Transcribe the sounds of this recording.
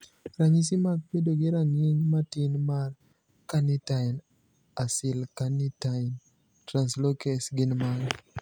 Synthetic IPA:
ɾaɲis̬imak̚pedoɡɪɾaŋeɲmatɪnmar | kanɪtan | asɪlkanitan | tɾanslokɛsɡɪnmaɾ

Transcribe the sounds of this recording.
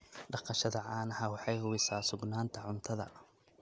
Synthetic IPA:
ɖɑqɑʃɐðɐʕaːnɐhaːwɑħɑjhʊwɪsaːsʊɡnaːnt̪ʰɐʕʊnt̪ʰɐðɐ̰

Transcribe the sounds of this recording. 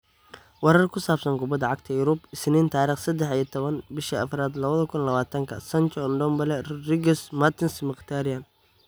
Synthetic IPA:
wɑɾɐrkʰʊsaːbsɐŋɡʊbɐd̪ɐʕɑɡt̪ʰɐjʊɾʊbɪsniːnt̪ʰaːɾiːχsɐd̪ɛħijɐt̪ʰɔβɐnbɪʃiɐfɾaːd̪lɐβɐðɐkʰʊnlɐβaːt̪ʰɐŋkʰɐsɐnt͡ʃɔnɖɔmbɐlɛrɪɡɛsmɐt̪ʰɪnsmɪqt̪ʰaɾɪjan

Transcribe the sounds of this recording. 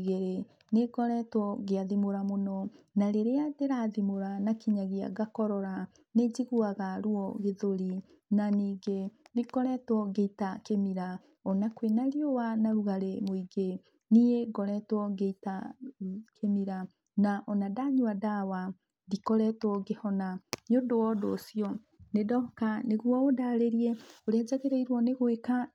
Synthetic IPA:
ɣeɾe | neɡɔɾɛtwɔɣeaðimoɾamonɔnaɾeɾeadeɾaːðimoɾanakiɲaɣea̰ɡakɔɾɔɾa | ned͡ʑiɣuaɣaɾuɔɣeðoɾi | naniːɡenekɔɾɛtwɔɣeitakemiɾa | ɔnakwenaɾjowanaɾuɣaɾemoiɡe | nijeɡɔɾɛtwɔɡeita | kʰemiɾa | naʔɔnadaɲuadawa | dikɔɾɛtɔɣehɔnaɲodowɔdoːsjɔ | nedɔkaneɣwɔodaɾeɾiɛoɾead͡ʑaɣeɾeiɾwɔneɣweka

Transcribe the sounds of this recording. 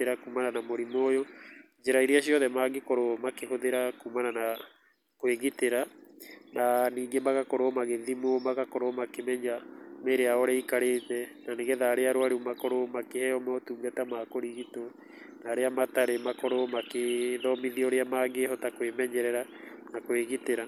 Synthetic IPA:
eɾakuːmananamoɾimoːjo | d͡ʒeɾaiɾiaɕiɔðɛmaɡekoɾomakeɦoðeɾakumanana | kweɣiteɾananiːɡemaɣakoɾomaɣeðimomaɣakoɾomakemɛɲameɾeaɔɾɛaikaɾeːtɛnaneɣɛðaɾeaɾwaɾeumakoɾomakehɛjɔmɔtuːɡatamakoɾiɣito | naɾeamataɾemakoɾomakeðɔmiðioɾeamaɡehɔtakwemɛɲɛɾɛɾa | nakweɣiteɾa

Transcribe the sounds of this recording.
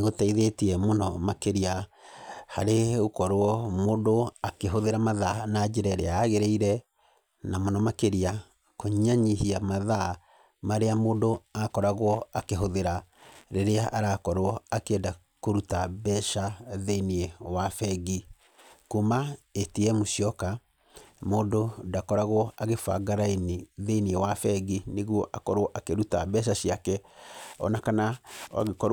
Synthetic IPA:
ɣotɛiðetiɛmonɔmakeɾia | haɾeɣokɔɾwɔmondoakeɦoðeɾamaðanad͡ʒeɾɛɾeaːɣeɾeiɾɛ | namonɔmakeɾia | koɲɲaɲiɦiamaða | maɾeamondoakɔɾaɣwɔakeɦoðeɾaɾeɾeaʔaɾakɔɾwɔakeɛda | koɾutabɛʃaðeiniɛwafɛɣi | kumaetiɛmoʃiɔka | moːdodakɔɾaɣwɔaɣefa̰ɡaɾainiðeiniɛwafɛɡineɣwɔʔakɔɾwɔʔakeɾutabɛʃ̬aɕiakɛɔ̰nakanaa̰ɣekɔɾ

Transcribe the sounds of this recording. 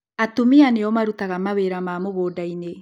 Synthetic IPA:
atumianeɔmaɾutaɣamaweɾamaːmoɣoːdaine

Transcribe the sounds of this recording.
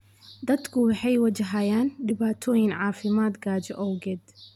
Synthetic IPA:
d̪ɐd̪kʰʊwħɛjwɐd͡ʒɪɦajaːnd̪ɪbaːt̪ʰɔjɪnʕaːfɪmaːt̪ɡaːd͡ʒaʔɔwɡɛd̪

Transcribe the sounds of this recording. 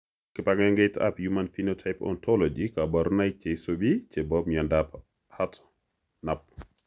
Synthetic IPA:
kipaɡɛŋɡɛta̰pjumanfinotʰajpɔ̰ntʰɔlod͡ʒikabaɾnaj̚t͡ʃɛsobit͡ʃɛbɔb̚ɲandap | hat | nap̚

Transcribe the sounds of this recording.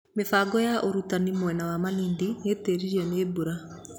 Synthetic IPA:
mefaːɡɔjaʔoɾutanimwɛnawamaliːndineːteɾiɾiɛneːbuɾa

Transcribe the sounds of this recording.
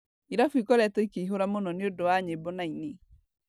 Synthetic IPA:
iɾafuikɔɾɛtɔikeiɦoɾamonɔneodowaɲebɔnaine

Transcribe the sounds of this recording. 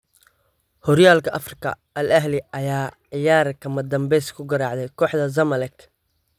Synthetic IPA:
hɔɾjaːlkʰɐʔɐfrɪkʰɐ̰ | ʔɐlɐɦlɪʔɐjaːʕɪjaːɾkʰɐmɐd̪ɐmbɛjskʰʊɡɐɾɑːʕd̪ɛjkʰɔːħd̪ɐz̬ɐmɐlɐk

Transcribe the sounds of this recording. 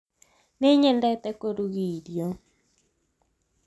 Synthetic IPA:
neɲɛndɛt̪ɛkoɾuɣidjo

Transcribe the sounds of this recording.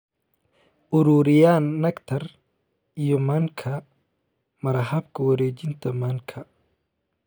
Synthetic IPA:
ʔuɾuːɾijaːnːɐkt̪ʰɐɾ | ijɔmaŋkʰɐ | mɐɾɦɐbkʰɐwɐɾeːd͡ʒint̪ʰɐmaŋkʰɐ

